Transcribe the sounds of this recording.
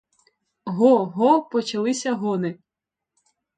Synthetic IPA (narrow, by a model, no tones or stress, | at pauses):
ɦɔɦɔpɔt͡ʃɐlˠɪsʲɐɦɔnɪ